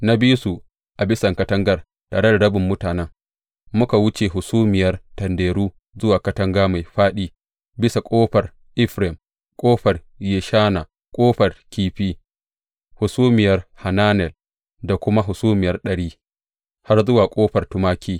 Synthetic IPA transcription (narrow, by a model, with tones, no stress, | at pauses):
na˦biː˦su˨ | ʔa˨bɪ˦sɐ˨ŋkɐ˦tɐ˦ŋɡɐ˨r | ta̰ː˨ɽe˦da˨ɽɐ˦bʊ˨mːʊ˦taː˨nɛ˦ŋ | mʊ˦ka˨wʊ˦t͡ʃeː˨ɦʊ˨suː˦mɪ˨jɐ˦rtɐ˨ndeː˨ɽuː˦ | zʊ˦waː˨kɐ˦tɐ˦ŋɡaː˦ma˨jɸaː˦ɗiː˦ | bɪ˦sa˨kʷʼoː˦ɸɐ˨r | ʔɪ˦ɸɾɛ˨m | kʷʼoː˦ɸɐ˨r | jeː˨ʃaː˦na˨ | kʷʼoː˦ɸɐ˨rkʲiː˦ɸiː˦ | hʊ˨suː˦mɪ˨jɐ˨rha˨naː˦nɛ˨l | da˨kʷʊ˦ma˦ɦʊ˨suː˦mɪ˨jɐ˦rɗɐ˨ɽiː˦ | ha˦rzʊ˦waː˨kʷʼoː˦ɸɐ˨rtʊ˦maː˦kʲʰiː˦